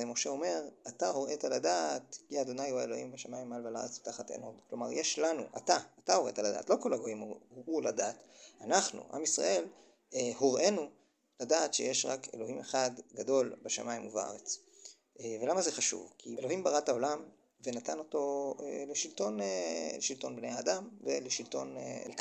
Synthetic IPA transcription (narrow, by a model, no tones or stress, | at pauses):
emo̞ʃe̞o̞me̞ʁatahoʁe̞taladatkiad̪o̞najuaelo̞himbeʃamaimːalvala̰et͡sbe̥t̪aχatḛnodklo̞ma̰ʁjeʃlanṵʔa̰taːtahoʁḛt̪alada̰ːtlo̞ko̞laɡo̞himuladaːtanaχnṵʔa̰misʁa̰ʔe̞l | ehoʁʔe̞nu | ladaːtʃejeʃʁake̞̰lo̞ɦhimeχadɡado̞lbeʃa̰maimuva̰ʁet͡s | ve̞lamazeχaʃṵvkʰielo̞himbaʁatao̞lam | ve̞natano̞to̞eleʃilto̞neleʃilto̞nbnejaːdamveleʃilto̞nk